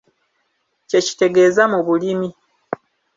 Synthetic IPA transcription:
ce̞ci̥te̞ɡe̞ːzamuβulimi

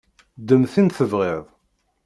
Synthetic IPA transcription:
d̪əmθinθəvʁeðˤ

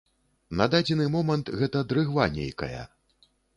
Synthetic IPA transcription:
nɐd̪ad͡zʲɛnɨmɔmɐnt̪ɣɛt̪ɐd̪ɾɨɣvanʲḛjkɐ̰jɐ̰

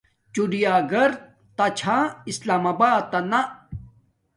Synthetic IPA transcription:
t͡ɕuɖijaːɡɐɾ | t̪ɐt͡ɕʰaːislaːmabaːt̪ɐna

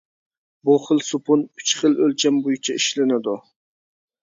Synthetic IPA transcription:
buχəlˠsupʊnyt͡ʃχəlølt͡ʃʰɛmbojut͡ʃʰɛiʃlɪnɪd̪u

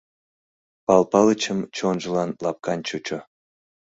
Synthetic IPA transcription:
pɑlpɑlət͡ɕəmt͡ɕonʒə̆lɑnlɑp̚kɑnʲt͡ɕut͡ɕo

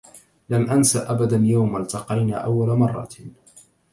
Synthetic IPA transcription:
lamʔansaʔabad̪anjawmalt̪ɑqɑjna̰ːʔawːalamɑrˤːɑ̰t

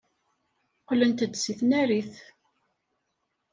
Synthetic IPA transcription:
qlənt̪əd̪siθnæɾiθ

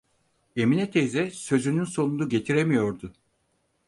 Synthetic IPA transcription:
e̞minɛt̪ʰezɛsø̞zynynso̞nunuɟe̞t̪ʰiɾemijo̞ɾd̪ʊ

